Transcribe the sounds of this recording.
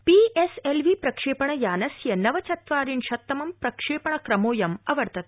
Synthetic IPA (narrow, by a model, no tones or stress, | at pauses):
piːʔeselʋipɾɐkʂeːpɐɳɐjaːnɐsjɐnɐʋɐt͡ʃɐt̪ʋaːɾinʃɐt̪ːɐmɐmpɾɐkʂeːpɐɳɐkɾɐmoːjɐmɐʋɐɾt̪ʰɐt̪